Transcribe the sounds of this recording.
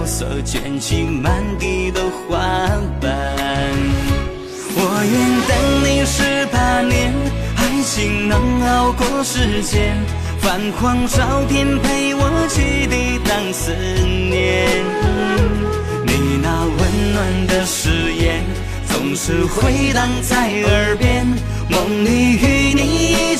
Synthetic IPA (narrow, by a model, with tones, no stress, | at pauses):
sɔ̰˨˧˩t͡ɕɥɛ̰˨˩nɕʰi˧˥ma˧˦nt̪i˧d̪ə˧xwa˧˦pə˧n | wɔ˨˩jɛ˥˧nt̪ə˧˥ŋni˨˩ʂɻ̩˥˧pʰa˨˩njɛ˧˥˩nxa˧˥ɪɕʰi˨˩ŋnə˧˥ŋɑ˥˧ʊkwɔ˥˧˥ʂɻ̩˥˧t͡ɕjɛ˥˧n | fa˨˩nkʰwɑ˥˧ŋʂɑ˧˥ʊt̪ʰjɛ˥npʰe˥˩ɪwɔ˧˥t͡ɕʰy˧t̪i˧t̪ɑ˥˧ŋs̩˧˥njɛ˧˩n | ni˨˩na˧wə˧˥nnwa˧˩nd̪ə˧ʂɻ̩˧˥jɛ˧n | t͡sʊ˨˩ŋʂɻ̩˧xwe˧˥ɪt̪ɑ˧ŋt͡sa˥˩ɪə˧˥pjɛ˥n | mo˨˩ŋli˧y˥˧˩ni˧